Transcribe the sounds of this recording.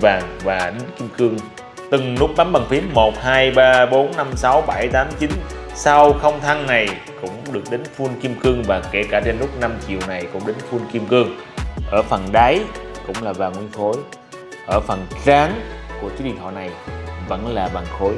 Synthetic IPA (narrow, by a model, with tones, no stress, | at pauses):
vaː˨˩ŋvaː˨˩ɗe˨˦nki˧əmkɨ˧əŋ | t̪ɨ˨˩ŋnʊ˦˥k͡p̚ɗa˨˦mɓa˨˩ŋfi˨˦ənmo˨˩t̚haː˧jɓaː˧ɓo˨˦nːa˧msa˨˦wɓa˧˩jt̪aː˨˦mt͡ɕi˨˦n | sa˧wxə˧wŋ͡mt̪ʰa˧ŋna˨˩j | kʊ̰˧˥ŋ͡mɗɨ˨˩ək̚ɗe˨˦nfu˧nki˧mkɨ˧əŋvaː˨˩ke˧˩kaː˧˩t͡ɕe˧nlʊ˦˥k͡p̚na˧mt͡ɕi˨˩əwna˨˩jkʊ̰˧˥ŋ͡mɗe˨˦nfu˧nki˧mkɨ˧əŋ | ʔəː˧˩fə˨˩nɗa˨˦jkʊ̰˧˥ŋ͡mlaː˨˩vaː˨˩ŋwi˧ənxo˨˦j | ʔəː˧˩fə˨˩nzaː˨˦ŋku˧˩ət͡ɕu˨˦˥ɗḭ˧˨nɦɔ̰˧˨na˨˩jvə̰˧˥nlaː˨˩va˨˩ŋxo˨˦j